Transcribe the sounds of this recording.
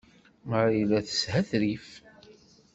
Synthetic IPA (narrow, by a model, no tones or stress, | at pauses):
əɾjlæθə̥shæθɾif